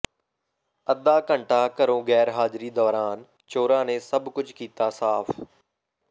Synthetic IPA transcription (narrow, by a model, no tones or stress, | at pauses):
əd̪aːkəɳʈaːkəɾõːɡɛːɾɦaːd͡ʒɾiːd̪ɔːɾaːn | t͡ʃoːɾaːnẽːsəbkʊd͡ʒkiːt̪aːsaːpʰ